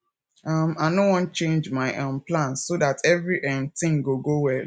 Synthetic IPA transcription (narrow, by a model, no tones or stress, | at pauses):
ʌmaɪnowɔ̃nt͡ʃẽnd͡ʒmaɪʔãnplãnsoðatɛvɹiʔɛ̃mtĩŋɡoɡowɛl